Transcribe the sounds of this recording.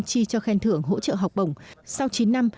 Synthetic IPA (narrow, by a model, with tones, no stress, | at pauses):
t͡ɕi˧t͡ɕɔ˧xɛ˧nt̪ʰɨ˧˩əŋɦo̰˧˥t͡ɕə̰ː˧˨ɦa˨˩wk͡p̚ɓə˨˩wŋ͡msa˧wt͡ɕi˨˦nːa˧m